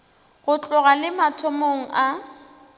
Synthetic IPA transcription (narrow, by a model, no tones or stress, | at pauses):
ɣʊt͡ɬʼʊɣalɪmatʰɔmoŋ̩a